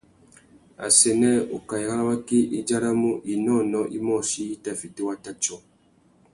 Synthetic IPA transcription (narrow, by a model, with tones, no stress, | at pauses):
a̰˨sɛ˨nɛ˦˨o˨ka˨i˨ha˦la˦wa˦ki˦ʔi˦d͡ʒa˦ɾa˦mu˦ʔi˨nɔ˦˨nɔ˦ʔi˦mɔ˦˨si˦i˦ta˦˨fi˨te˦wa˦ta˦t͡ʃɔ˦˨